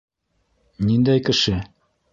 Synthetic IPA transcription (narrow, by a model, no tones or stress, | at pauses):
nind̪æjkɘ̆ʃɘ